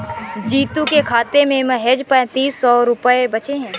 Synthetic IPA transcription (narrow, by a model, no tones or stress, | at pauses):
d͡ʒiːt̪ũkekʰaːt̪emẽmɐɦed͡ʒpɛ̃t̪iːsːɔːɾʊpəebɐt͡ʃeɦɛ̃ː